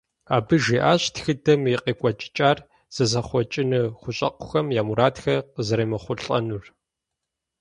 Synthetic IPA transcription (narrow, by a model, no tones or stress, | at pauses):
aːbɨʒiːʔaːɕtxɨdɐmiqeːkʷʼɔt͡ʃʼɪ̥t͡ʃʼaːr | z̥ɐzɐχʷɔt͡ʃʼɪnɨχʷʊɕʼɐ̰qʷʊ̥xɐmjaːmuɾaːtxɐqəzɨɾɐjmɐχʷʊɬʼɐ̰nur